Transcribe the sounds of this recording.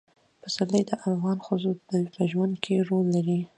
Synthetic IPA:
pəsaləjd̪əʔafɣɑnxəzopəpəʒwand̪kʰeɾolːaɾi

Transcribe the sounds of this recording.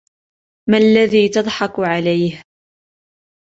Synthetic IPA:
malːaðiːt̪ɑd̪ˤħɑkʕalajh

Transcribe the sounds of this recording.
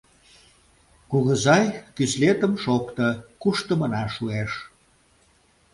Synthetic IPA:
kuɣəzɑjkyslet̪əmʃokt̪ə̆kuʃt̪əmənɑʃueʃ

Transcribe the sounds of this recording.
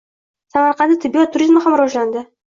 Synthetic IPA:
samaɾqʰɑnd̪ɪt̪ʰɪbijot̪ʰːʊɾʲizmahamɾɒʒland̪ɪ

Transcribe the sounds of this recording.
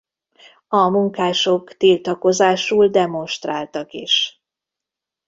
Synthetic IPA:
ɒmuŋkaːʃo̞kt̪ilt̪ɒko̞zaːʃuːld̪ɛmo̞nʃt̪raːlt̪ɒkiʃ

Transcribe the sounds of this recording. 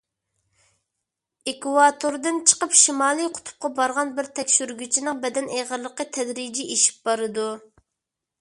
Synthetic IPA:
ekwɑt̪ʰoɾd̪ɨnt͡ʃʰə̥qəpʃimɑːlˠɨjqʰʊ̥t̪ʰʊ̥p̚qɑbɑɾʁɑnbɪɾt̪ʰɛkʲʃyɾɡʲyt͡ʃʰinɪŋbɛd̪ɛneʁəɾlˠəqːət̪ʰɛd̪ɾid͡ʒiʔeʃi̥p̚bɑɾɨd̪u

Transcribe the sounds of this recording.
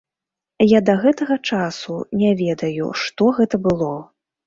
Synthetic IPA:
jad̪ɐɣɛt̪ɐɣɐt͡ʂasunʲɛvʲɛd̪ɐjṵʂt̪ɔɣɛt̪ɐbɨlˠɔ

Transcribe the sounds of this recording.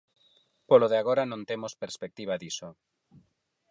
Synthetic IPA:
poloðeaɣ̞oɾanõnt̪emospeɾspek̚t̪iβ̞aðiso

